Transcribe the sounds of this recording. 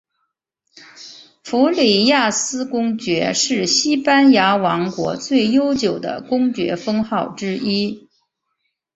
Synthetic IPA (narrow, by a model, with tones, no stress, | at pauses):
fu˧˥li˨˩ja˥˩sɹ̩˥kʊ˥ŋt͡ɕɥɛ˧˥ʂɻ̩˥˩ɕi˥pa˥nja˧˥wɑ˧˥ŋkwɔ̰˧˥t͡swe˥˩ɪjo˥ʊt͡ɕjo˨˩ʊd̪ə̰˦kʊ˥ŋt͡ɕɥɛ̰˧˥fɤ˥ŋxɑ˥˩ʊʈ͡ʂɻ̩˥i˥